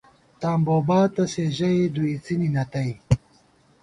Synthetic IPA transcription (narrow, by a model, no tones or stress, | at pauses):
t̪aːmboːbaːt̪ɐseʑɐjd̪uit͡sininɐt̪ɐj